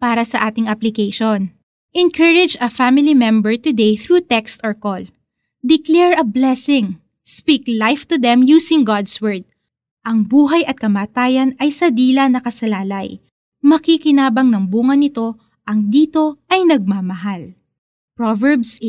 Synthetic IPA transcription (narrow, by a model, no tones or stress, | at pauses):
paːɾɐsɐʔaːt̪ɪŋʔɐplɪkejʃon | ʔɛnkʰɐɹɪd͡ʒɐfamɪlimɛ̃mbɛɹt̪ʊd̪ejθɹuːt̪ɛkst̪ɔɹkol | d̪ɪklɛɹɐblɛsɪŋ | spiːklajft̪ʊd̪ɛ̃mjuːsɪŋɡad̪swɛɹd̪̚ | ʔɐŋbuːɦɐjɐt̪̚kɐmaːt̪aːjɐnɐjsɐd̪iːlɐnɐkɐsɐlaːlɐj | mɐkikɪnaːbɐŋnɐŋbuːŋɐnɪt̪o̞ | ʔɐŋd̪iːt̪o̞ʔɐjnɐɡ̚maːmɐɦal | pɹovɛɹbs